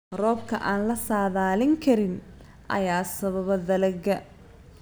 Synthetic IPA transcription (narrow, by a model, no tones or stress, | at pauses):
rɔːbkʰɐ̰ʔaːnlɐsaːðaːlɪŋkʰɐɾɪn | ʔɐ̰jaːsɐβɐβɐðɐlɐɡɐ